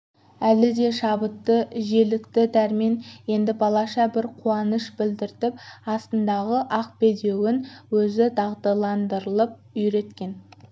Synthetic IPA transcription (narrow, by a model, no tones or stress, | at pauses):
ælɪd̪e̞ʃɑbət̪ːəʒe̞lɪkt̪ɪd̪æɾmenje̞nd̪ɪbɑlˠɑʃɑbɪɾqʰuɑnəʃbɪld̪ɪɾt̪ɪp̚ɑst̪ənd̪ɑʁəʔɑq̚be̞d̪e̞wɪnwɵzɪd̪ʰɑʁd̪ɑlˠɑnd̪əɾəlˠəp̚ʏjɾe̞t̪kʲe̞n